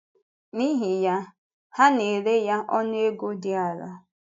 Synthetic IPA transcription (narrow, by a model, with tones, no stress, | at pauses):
ni˦ɦi˨ja˦ | ha˦ne˨ɾe˦ja˦ʔɔ˦n˦e˦ɡo˦dɪ˦a˨ɾa̰˦